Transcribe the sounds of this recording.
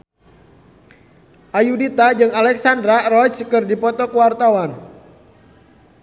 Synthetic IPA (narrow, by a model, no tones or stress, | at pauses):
ʔajudit̪ad͡ʒɨŋalɛksand̪ɾarɔt͡ʃkɨrdipɔt̪ɔkəwart̪awan